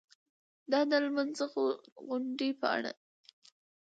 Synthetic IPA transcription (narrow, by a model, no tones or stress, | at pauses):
d̪ɑd̪əlmanzəɣoɣʊɳɖipə̰a̰ɽa̰